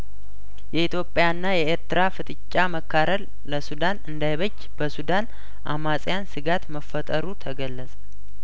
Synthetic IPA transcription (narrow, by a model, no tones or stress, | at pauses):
jɛit̪ʰjo̞pʼjanːajɛeɾt̪ɾafɨt̪ʼɨt͡ʃʼːaməkːaɾəl | ləsud̪anɨnd̪ajβəd͡ʒːb̥əsud̪an | ʔa̰masʼjansɨɡat̪məfət̪ʼəɾut̪ʰəɡəlːəsʼə̥